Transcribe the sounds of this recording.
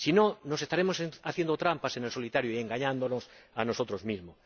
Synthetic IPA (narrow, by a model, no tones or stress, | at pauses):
sinõnosest̪aɾemosaθjend̪ot̪ɾampasenelso̞lit̪aɾjoieŋɡaɲãnd̪onos | anosot̪ɾozmizmo